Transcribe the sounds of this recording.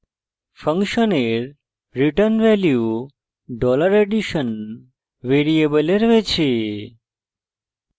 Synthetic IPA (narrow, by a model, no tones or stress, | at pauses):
fʰə̃ŋkʃəneɾ | ɾiʈənʋɛlju | ɖɔləɾeɖiʃən | ʋeɾiebəleɾʋet͡ʃʰe